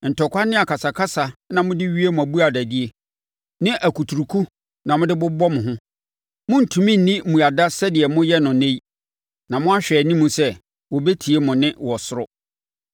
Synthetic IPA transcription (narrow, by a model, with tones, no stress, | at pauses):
n̩˨tʰɔ˨kʷa˦nɪ̃˦a˨kʰa˨sa˨kʰa˦sa˨nã˨mʊ̃˦dɪ˦ɥi˦e˦mʊ̃˨æ˨bu˦a˨dæ˨di˦e˦ | nɪ̃˦ʔæ˨kʰu˨tʰu˨ɾu˨kʰu˦ | nã˨mʊ̃˦dɪ˦bʊ˦bɔ˦mʊ̃˨ɦʊ̃˦ | mʊ̃˦n̩˨tʰũ˨mĩ˦n̩˨nĩ˦˨mũ˨a˨da˦sɛ˦dɪ˨ɛ˨mʊ̃˦jɛ˦nʊ̃˨nẽ˦i˦ | nã˨mʊ̃˦a˦ɕᶣɛ˨nĩ˦mũ˨sɛ˦ | wɔ˨be˦tʰi˨e˦mʊ̃˨nɪ̃˦wɔ˨sʊ˦ɾʊ˦